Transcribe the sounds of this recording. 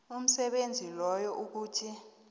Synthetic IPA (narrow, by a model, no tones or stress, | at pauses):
um̩sɛɓend͡zʱilɔjɔʔuk̬uːtʰi